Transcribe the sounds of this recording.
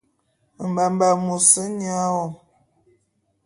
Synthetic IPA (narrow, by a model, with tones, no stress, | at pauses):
m̩˨ba˨mba˨mu˨sə˦ɲ˦a˦wɔ˨